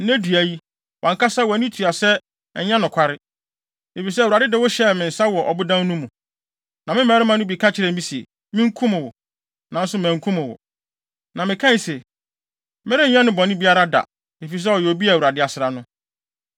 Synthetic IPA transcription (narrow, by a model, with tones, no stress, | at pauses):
n̩˦næ˦dɥæ˨ji˦ | wʔɔ̃˨ŋkʰa˦sa˦wɔ˨nĩ˦tʰu˨a˨sɛ˦ | ɛ˨ɲɛ̃˦nʊ̃˨kʰa˦ɾɪ˦ | e˨fi˨s̬ɛ˦˨wu˨ɾa˨dɪ˦dɪ˨˦wɔ˦ɕɛ˦˨mɪ̃˨n̩˨sa˦wɔ˨ʔɔ˨bʊ˦dã˦n˦nũ˦mũ˨ | nã˨mɪ̃˦mæː˨˦ɾɪ˦mã˨nʊ̃˦bi˨kʰa˦t͡ɕʰɪ˨˦ɾɛ˨mĩ˦si˨ | mɪ̃˦ŋ̩˦kʰũ˦mʊ̃˨wɔ˨ | nã˨n̩˦sʊ˦m˨æ̃˨ŋ̩˨kʰũ˦mɪ̃˨wɔ̰˨ | nã˨mɪ̃˨kʰã˦˨sɛ˨ | mɪ˦ɾɪ̃˦ɲ̩˦ɲã˦nʊ̃˦bɔ˨nɪ̃˦bi˦a˦ɾa˦da̰˨ | e˨fi˨s̬ɛ˦ɔ˨jɛ˨o˨bi˦a˨wu˨ɾa˨dɪ˦a˨sɪ˨ɾa˨nʊ̃˦